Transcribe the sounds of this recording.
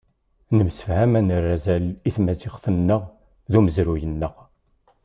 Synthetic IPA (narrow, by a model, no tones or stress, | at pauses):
nəmsə̥fhæmænərːæzæliθmæzɪʁθənːəʁ | ðuməzɾujənːəʁ